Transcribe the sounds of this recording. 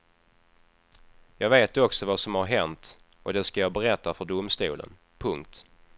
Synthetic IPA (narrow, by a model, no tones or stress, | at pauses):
jɑːɡveːt̪ɔksɔvasɔmhaɾɦɛnt̪ | ɔd̪ɛskajɑːbɛɾɛt̪ːafœɖʊmst̪uːlə̰n | pʰɵŋk̚t̪